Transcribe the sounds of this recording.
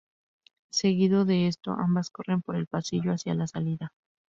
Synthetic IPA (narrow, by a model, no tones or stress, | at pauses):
se̞ɣiðo̞ðe̞e̞st̪o̞̰ʔambasko̞re̞mpo̞ɾe̞lpasiʝoasjalasaliða